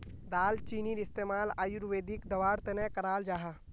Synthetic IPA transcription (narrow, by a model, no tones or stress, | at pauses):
d̪aːlt͡ʃiːniːɾɪst̪eːmaːlaːjuɾʋeːd̪ikd̪ɐʋaːɾt̪enɛkəɾaːld͡ʒaːɦaː